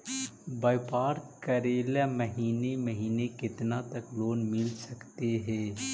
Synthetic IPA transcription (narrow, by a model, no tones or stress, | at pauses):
baːɪpaːɾkəɾeːlaməɦiːneməɦiːnekɪt̪nat̪ɐkloːnmɪlsɐkt̪eɦɛ̃ː